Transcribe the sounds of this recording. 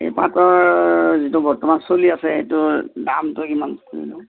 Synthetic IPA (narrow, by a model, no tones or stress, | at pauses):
ḛpatɔɹzitʊbɔɹtɔmansoliasɛḛtʊdamtʊkimankoɹḭlʊ